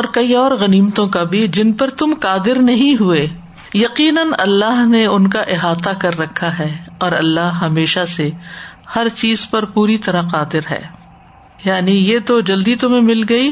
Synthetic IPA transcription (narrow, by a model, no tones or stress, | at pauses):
ɔːɾkɐiɔːɾɣɐniːmt̪õkabʱid͡ʒɪnpɐɾt̪ʊmqaːd̪ɪɾnɐɦĩɦueː | jɐqiːnənɐ̰lːaːɦneʊnkaʔɪɦaːt̪akɐɾːɐkʰːaɦɛːɔːɾɐlːaːɦɦɐmeːʃasehɐɾt͡ʃiːzpɐɾpuːɾit̪ɐɾaqaːd̪ɪɾɦɛ̰ː | jaːnijet̪od͡ʒɐld̪it̪ʊm̤ẽmɪlɡɐiː